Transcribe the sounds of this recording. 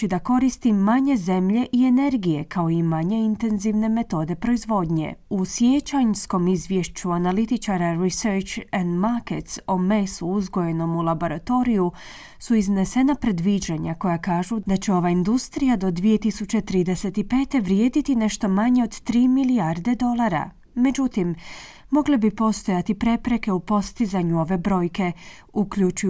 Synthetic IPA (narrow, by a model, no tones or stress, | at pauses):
id̪ako̞ɾist̪imaɲe̞ze̞mʎe̞ʔie̞ne̞ɾɡije̞kʰao̞imaɲe̞int̪e̞nziʋne̞me̞t̪o̞ːd̪e̞pɾo̞izʋo̞d̪ɲe̞̰usjet͡ɕaɲsko̞mizʋʲjeʃt͡ʃuanalit̪it͡ʃaɾaɾiseɾt͡ʃand̪maket̪some̞suuzɡo̞je̞no̞mulˠabo̞ɾat̪o̞ɾiju | suizne̞se̞napɾe̞d̪ʋid͡ʑaɲako̞jakaːʒud̪at͡ɕe̞o̞ʋaind̪ust̪ɾijad̪o̞d̪ʋije̞t̪isut͡ɕe̞t̪ɾiːd̪ese̞t̪ipe̞ːt̪e̞ʋɾjeːd̪it̪ine̞ʃt̪o̞maɲe̞o̞d̪t̪ɾiːmiliaɾd̪e̞d̪o̞lˠaɾa̰ | me̞d͡ʑut̪imː | o̞ɡlebipo̞st̪o̞jat̪ipɾe̞pɾe̞ke̞upo̞st̪izaɲuo̞ʋe̞bɾo̞jke̞ | ukʎut͡ʃuj